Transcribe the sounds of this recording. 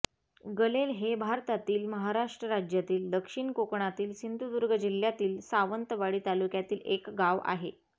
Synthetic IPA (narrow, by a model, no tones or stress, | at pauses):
ɡəlelɦebʱaɾt̪at̪iːlməɦaɾaʂʈɾəɾad͡ʑjat̪iːld̪əkʂiɳkokɳat̪iːlɕind̪ʱud̪uɾɡəd͡ʑiljat̪iːlsaʋənt̪ʋaɽiːt̪alukjat̪iːlekɡaʋʔa̰ɦḛ